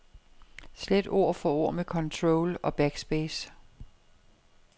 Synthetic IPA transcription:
sled̥o̝̰ɐ̰fɒo̝ɐ̰mekʰɒ̽nt͡sʰʁoʊlɒ̽b̥æɡ̥sb̥ɛːs

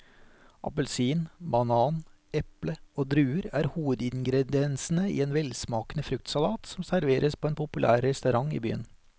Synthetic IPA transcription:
ʔɑ̰pəlsiːnbɑnɑːn | ɛpləoːd̪ɾʉːəɾæːɾhuːʋəd̪ɪnɡɾɛd̪ɪɛnsn̩əḭːeːnʋɛlsmɑːkənəfɾʉk̚t̪sɑlɑːt̪sɔmsæɾʋeːɾʔəspʰoːeːnpʰʊpʉlʔæ̰ːɾːɛst̪œʉɾɑŋḭːby̰ːə̰n

